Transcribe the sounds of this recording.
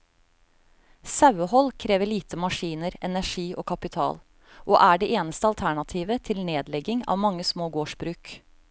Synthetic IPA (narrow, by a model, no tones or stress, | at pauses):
sɑʉəhɔlkʰɾeːʋəɭiːt̪əmɑʂiːnəɾɛnæʂiːʔoːkʰɑpɪt̪ʰɑ̰ːl | ʔoːʔæːɖeːʔeːnəst̪əɑlt̪ʰæɳɑt̪ʰiːʋət̪ʰɪlneːd̪lɛɡɪŋɑ̰ːʋmɑŋːəsmoːɡoːʂbɾʉːk